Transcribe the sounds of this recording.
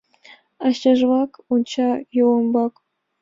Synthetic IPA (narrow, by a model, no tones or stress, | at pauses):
ɑɕɑʐʋɑkunt͡ɕɑjuwɤ̆mbɑk